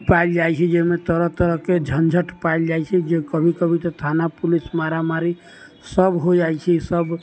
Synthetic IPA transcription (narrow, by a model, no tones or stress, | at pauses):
paild͡ʒajt͡ʃʰɛd͡ʒemet̪əɾəɦt̪əɾəɦked͡ʒʱənd͡ʒʱəʈpaild͡ʒajt͡ʃʰɛd͡ʒekəbʱikəbʱit̪ɔt̪ʰanapulismaɾamaɾi | səbɦod͡ʒajt͡ʃʰɛsəb